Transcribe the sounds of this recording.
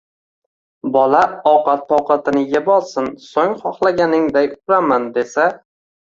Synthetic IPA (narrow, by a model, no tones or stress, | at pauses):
bɒlaɒwqʰɑt̪̚pʰɒwqʰɑt̪ʰɪnɪjabɒlˠsɪnsoŋχɒχlˠaɡʲanɪŋd̪ajʰʊɾamand̪e̞sa